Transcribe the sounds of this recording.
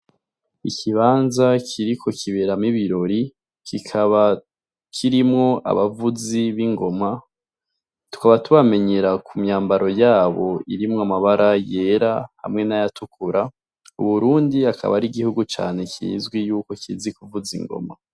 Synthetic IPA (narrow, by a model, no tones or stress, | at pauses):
ikʰiβaːnzakʰiɾikʰo̞kʰiβeɾamiβiɾo̞ɾi | kikʰaβa | kʰiɾimŋo̞ʔa̰βavuziβiŋɡo̞ma | tu̥kaβatuβame̞ɲeɾakʰumɲaːmbaɾo̞jaːβo̞iɾimŋoamaβaɾaje̞ːɾaha̰mŋe̞najatukʰuɾa | ṵβuɾuːndiakʰa̰βaɾiɡihuɡut͡ʃa̰ːne̞kʰḭːzɡwijuːko̞kizikuvuzḭŋɡo̞̰ma̰